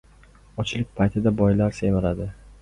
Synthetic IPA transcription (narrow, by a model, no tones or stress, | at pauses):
ɒt͡ʃʰlɪk̚ʲpʰajt̪ʰɪd̪abɒjlaɾsemalad̪ɪ